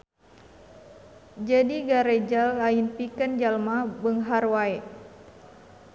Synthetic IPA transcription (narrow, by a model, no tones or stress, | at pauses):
d͡ʒadiɡaɾɛd͡ʒalainpikand͡ʒalmabəŋɦarwaɛ